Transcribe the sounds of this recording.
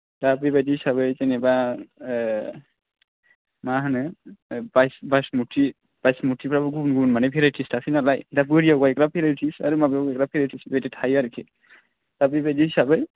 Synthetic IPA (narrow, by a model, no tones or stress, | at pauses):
dabibadihisabɯzɛnɛba | maɦanɯbajsbajsmutʰi | b̥ajsmutʰipʰɾabɯɡubnɡunmanɛpʰiɾatʰistʰasʰinalajdabɯɾiaɡaɛkɾapʰiɾatʰisa̰ɾumabijaɡɛk̚ɾapʰiɾatʰisbaditʰajaɾikʰi | dabibajdihisabɯ